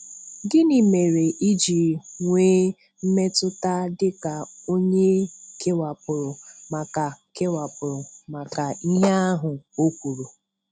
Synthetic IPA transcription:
ɡɪ˦ni˨me˨ɾe˨ʔi˦d͡ʒi˨ŋʷeː˦ | m̩˦me˦tʊ˦ta˦dɪ˦ka˨o˦ɲe˦kʰe˦wa˨pʊ˨ɾʊ˨ma˨ka˨ke˦wa˨pʊ˨ɾʊ˨ma˨ka˨i˦ɦe˦a˦ɦʊ˨o˦kʷu˨ɾu˨

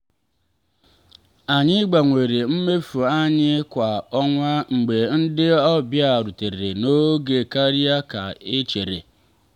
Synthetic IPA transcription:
a˨ɲɪ˦ɡ͡ba˨ŋʷe˨ɾe˨m̩˦me˦fu˨a˦ɲɪ˦kʷa˨ɔ˦ŋʷa˦ŋ͡m̩˨ɡ͡be˨n̩˦dɪ˦ɔ˦bja˦˨ɾu˨te˨e˨no˦ɡe˨ka˦ɾi˦a˦ka˨ɪ˦t͡ʃe˨ɾḛ˨

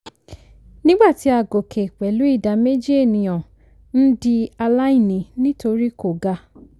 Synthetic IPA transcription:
nĩ˦ɡ͡ba˦˨ti˨˦a˨ɡo˨kʰe˨k͡pɛ˨lu˨˦i˦˨da˨˦me˦d͡ʒi˦e˦˨nĩ˧j̃ɔ̃˨ | n̩˦di˧a˧la˦i˦˨nĩ˨˦nĩ˦to˧ɾi˦ko˨ɡa˧˦

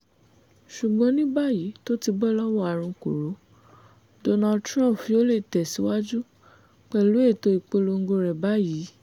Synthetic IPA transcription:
ʃu˨ɡ͡bɔ̃˨˦nĩ˦ba˦˨ji˨˦to˦ti˧bɔ˦lɔ˦wɔ˦a˨ɾ̃ũ˧ko˨ɾo˨˦ | do˧na˧ltɾ̃ã˦˨pfĩ˧˦o˦le˦˨tɛ˨si˨˦wa˦d͡ʒu˦ | k͡pɛ˧˨lu˨˦e˦˨to˧i˨k͡po˧lo˧ŋ̩˦ɡo˧ɾɛ˨ba˦ji˨˦

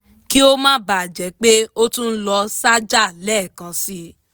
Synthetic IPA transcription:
ki˦o˦mãː˦ba˨d͡ʒɛ˨˦k͡pe˦o˦tũ˦n̩˦lɔ˧sa˦d͡ʒa˦˨lɛ˦˨kã˨˧si˧

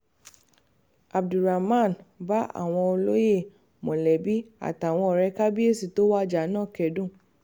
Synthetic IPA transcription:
a˨bdu˨ɾa˨mã˦˨nba˦ʔa̰˦˨w̃ɔ̃˧o˧lo˦je˦˨ | mõ˨lɛ˨bi˦a̰˨ta˨w̃ɔ̃˧ɔ˨ɾɛ˧ka˦bi˦e˦˨si˨to˨˦wa˦d͡ʒa˨˦nãː˦˨kɛ˨˦dũ˦˨

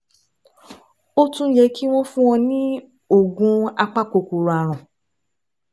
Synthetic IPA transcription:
o˦tũ˧˦jɛ˧˦ki˦w̃ɔ̃˦fũ˦w̃ɔ̃˧nĩ˦ | o˦˨ɡũ˧a˧k͡pa˦ko˨ko˨ɾa˨ɾ̃ã˨

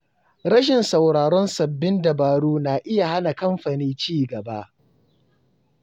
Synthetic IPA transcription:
ɾɐ˦ʃ̬ɪ˨nsa˨wɽaː˨ɽɔ˦nsɐ˨bːɪ˦ndɐ˨baː˨ɽuː˦naː˨ʔɪ˦ja˨ha˦na˨kɐ˦mɸa˨niː˦t͡ʃiː˦˨ɡɐ˨ba˦ʔ

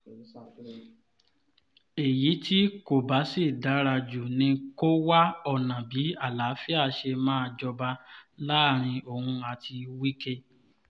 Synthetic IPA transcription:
e˨ji˨˦ti˦ko˦˨ba˨˦si˦˨da˨˦ɾa˧d͡ʒu˨nĩ˧ko˦wa˦ɔ˦˨nã˨bi˨˦a˦˨la˨˦fi˦a˦˧˨ʃe˧mãː˦˧d͡ʒɔ˧ba˧laː˦˨ɾ̃ĩ˧o˨hũ˧a˧tʰi˧wi˦ke˧

